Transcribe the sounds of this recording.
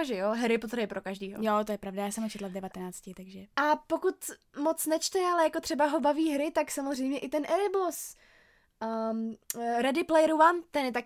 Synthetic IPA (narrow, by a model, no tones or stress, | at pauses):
ʒɛjoɦɾɪpot̪ɾaɪpɾʔokaʒdiːɦo̰jot̪ojɛpɾavdajaːsɛmhot͡ʃɛt̪lavdɛvat̪ɛnaːt͡scɪt̪aɡʒɛʔapokut̪mot͡snɛt͡ʃt̪ɛalɛjakot̪r̥ɛbaɦobaviːɦɾɪt̪aksamozrɛjmɲɛʔɪt̪ɛnʔɛɾbos | ɾɛdɪplɛjɾuvant̪ɛnjɛt̪ak